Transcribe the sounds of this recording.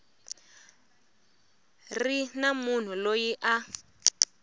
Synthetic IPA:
rinamun̤ulojiʔa

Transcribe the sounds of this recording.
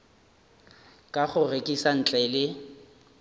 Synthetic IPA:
kʼaχʊrekʼisan̩t͡ɬʼɛlɪ

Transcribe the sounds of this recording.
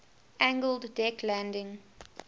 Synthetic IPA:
ʔæ̃ŋɡəlˠdːɛkʰlæ̃ndɪ̃ŋ

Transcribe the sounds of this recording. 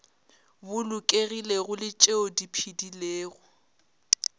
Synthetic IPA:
bʊlʊkʼeɣileɣʊlɪt͡ʃʼeodipʰidileːɣʊ

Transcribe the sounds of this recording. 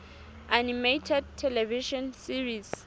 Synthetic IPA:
ʔanimetʰɛd̚tʰːɛlɛviʃɔ̃nsiɹis

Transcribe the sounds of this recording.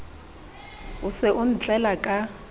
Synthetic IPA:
ʊsɪʔʊn̩t͡ɬʼɛlakʼa

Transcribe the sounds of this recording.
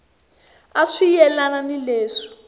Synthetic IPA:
aʂijɛlananilɛːʂɔ̥

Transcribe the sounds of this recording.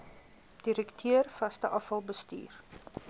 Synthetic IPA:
d̥iɾəktʰøərfɐstəʔɐfɐlˠbəsty̰ːr

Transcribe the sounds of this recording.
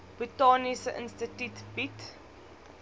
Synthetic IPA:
b̥itaːnisʔɪ̰̃nstətutbit

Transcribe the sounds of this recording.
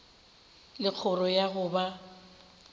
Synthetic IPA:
lɪk͡xʰʊrɔjaɣʊba

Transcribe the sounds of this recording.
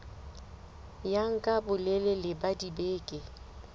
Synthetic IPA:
jaŋ̩kʼabʊlelelɪbadibeːkʼɪ

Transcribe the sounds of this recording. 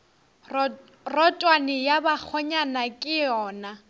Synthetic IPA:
rɔtʼwanɪjabak͡xʰɔɲanakʼɪɔːna

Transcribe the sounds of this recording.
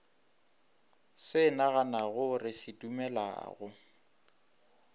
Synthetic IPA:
sɪnaɣanaɣʊrɪsɪdumɛla̰ːɣʊ

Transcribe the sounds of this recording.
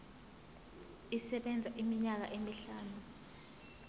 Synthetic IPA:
isɛɓɛnd͡zʱaʔimiɲak̬aʔemiɬaːnu

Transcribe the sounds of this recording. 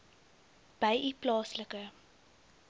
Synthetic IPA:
b̥əjʔiplɑːsləkə

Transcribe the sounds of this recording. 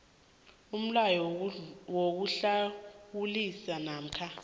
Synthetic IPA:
um̩lajɔwok̬uɬawulisanaːm̩kʰa

